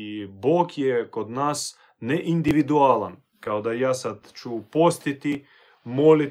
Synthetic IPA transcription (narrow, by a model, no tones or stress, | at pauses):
boːkjɛkod̪naːs | nɛʔind̪iʋid̪ualan | kaod̪ajaːsad̪t͡ʃupost̪it̪i | moli